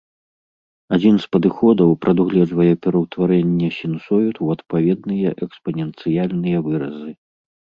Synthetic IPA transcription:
ad͡zʲinspɐd̪ɨxɔd̪ɐwpɾɐd̪uɣlʲɛvɐjɛpʲɛɾɐwt̪vaɾɛnʲːɛsʲinsɔjut̪wɐt̪pavʲɛd̪nɨjɛʔɛkspɐnʲɛnt̪sɨjalʲnɨjɐvɨɾɐzɨ

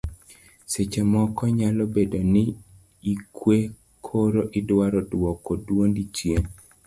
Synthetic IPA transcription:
set͡ʃemɔkɔɲalɔbedonɪ | ikʰwe | kʰoɾoʔɪdwaɾɔdwɔkodwondit͡ʃjen

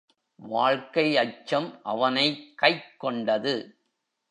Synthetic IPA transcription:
ʋaːɻkɐɪɐt͡ʃːɐmʔɐʋɐnɐɪkɐɪkːɔɳɖɐðɯ

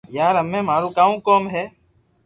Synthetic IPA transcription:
jaːɾɦəmẽːmaːɾũːkaːũːkoːmɦɛː

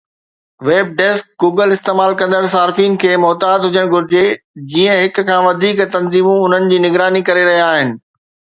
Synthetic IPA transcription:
ʋeːb̚ɖeːsk̚ɡuːɡəlɪst̪eːmaːlkɐ̃nd̪əɽ̃s̬aːɾfiːn̆kʰeːmɔːt̪aːd̪ɦʊd͡ʑəɽ̃ɡʱʊɾɪd͡ʑed͡ʑiːə̃ɦɪk̆kʰːãːʋɐd̪ʱiːkt̪ɐnziːmũʊn̤ənɪ̆d͡ʑiːnɪɡɾaːnikɐɾeɾɐɦijaaːɦɪnɪ̆

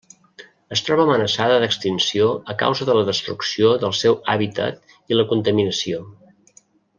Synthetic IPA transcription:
əst̪ɾɔβəːmənəsaðəðəkst̪insioəka̰wzəðələðəst̪ɾuksioðəlˠsɛwa̰βit̪ə̰t̪ | iləkunt̪əminəsio

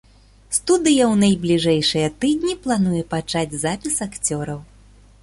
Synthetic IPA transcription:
st̪ud̪ɨjɐwnɐjblʲiʐɛjʂɨjɐt̪ɨd̪ʲnʲiplˠan̪ujɛpat͡ʂad͡zʲzapʲisakt͡sʲɔɾɐw

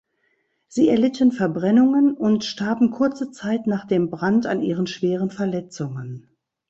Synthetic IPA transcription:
z̥iːɛɐlɪtʰənfɛɐbʁɛnʊŋənʊntʃtaɐbm̩kʰʊɐt͡sət͡saɪtnaːχd̥eːmbʁantanʔiːʁənʃv̥eːʁ̞ənfɛɐlɛt͡sʊŋən

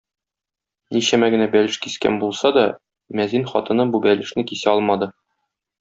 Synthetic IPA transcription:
niɕæmæɡɘ̆næbælɘ̆ʃkiskæ̰nbulˠsɑd̪ɒ | mæzinχɒt̪ɤ̆nɤbubælɘ̆ʃnɘkisæɒlˠmɑd̪ɤ

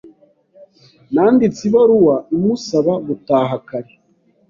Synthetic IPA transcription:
naːndit͡siβoɾuwaumusaβaβutaːɦakaɾe

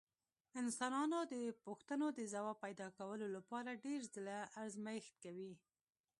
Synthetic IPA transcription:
ɪnsɑnɑnod̪əpuxt̪ənod̪əzawɑpajd̪ɑkawəlolapɑɾaɖeɾzəlaʔːɾzmajxt̪̚kawi

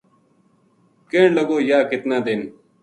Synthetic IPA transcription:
keːɳlɐɡoːjaːkɪt̪naːd̪eːn

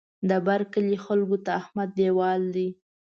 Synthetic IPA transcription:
d̪əbaɾkəlixalɡot̪aːhmad̪̚ːewɑld̪i

